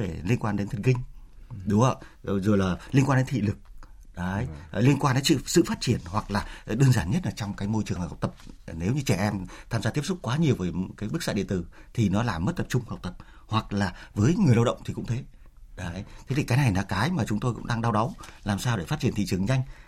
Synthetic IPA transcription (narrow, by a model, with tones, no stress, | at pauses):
e˧˩li˧ənkwaː˧nɗe˨˦nt̪ʰə˨˩n̚kï˧ŋ̟ | ɗʊ˨˦ŋ͡mə̰˧˨˧zə˨˩laː˨˩li˧nkwaː˧nɗe˨˦nt̪ʰḭ˧˨lɨ˨˩k̚ | ɗa˨˦˨jli˧ənkwaː˧nɗsɨ̰˧˨sɨ̰˧˨faː˦˥t̚t͡ɕi˧˩ənhwa˨˩k̚laː˨˩˨ɗəː˧ənzaː˧˩nɲə˦˥t̚ʔaː˨˩t͡ɕɔ˧wŋ͡mkaː˨˦jmo˧jt͡ɕɨ˨˩əŋhk͡p̚t̪ə˨˩p̚ne˨˦wɲɨ˧t͡ɕɛ˧˩ʔɛ˧mt̪ʰaː˧mzaː˧i˦˥əsʊ˦˥k͡p̚kwaː˨˦ɲi˨˩əwvəː˨˦jkaː˨˦jɓɨ˦˥k̚za̰ː˧˥ɗḭ˧˨nt̪ɨ˧˩t̪ʰi˨˩nɔ˨˦laː˨˩mə˦˥t̚t̪ə˨˩p̚t͡ɕʊ˧ŋ͡mhə˨˩k͡p̚t̪ə˨˩p̚ | hwa˨˩k̚laː˨˩vəː˨˦jŋɨ˨˩əjlə˧wɗə̰˧˨wŋ͡mt̪ʰi˨˩kʊ̰˧˥ŋ͡mt̪ʰe˨˦ | ɗa˨˦˨jt̪ʰe˨˦t̪i˨˩kaː˨˦jna˨˩jnaː˨˦kaː˨˦jmaː˨˩t͡ɕʊ˨˦ŋ͡mt̪o˧jkʊ̰˧˥ŋ͡mɗaː˧ŋɗaː˧wɗa˨˦wlaː˨˩msaː˧wɗe˧˩fa˦˥t̚t͡ɕi˧˩nt̪ḭ˧˨t͡ɕɨ˨˩əŋza˧jŋ̟